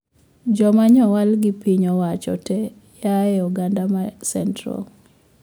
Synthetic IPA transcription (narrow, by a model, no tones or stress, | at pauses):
d͡ʒɔmaɲɔwalɡɪpiɲɔwat͡ʃɔ̰tɛ | jaɛuɡandamasɛntɾɔ̰